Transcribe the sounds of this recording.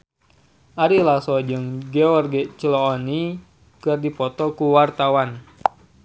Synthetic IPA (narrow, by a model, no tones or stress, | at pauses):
ʔaɾilasɔd͡ʒɨŋɡɛɔrɡɛt͡ʃəlɔːni | kɨrdipɔt̪ɔkuwart̪awan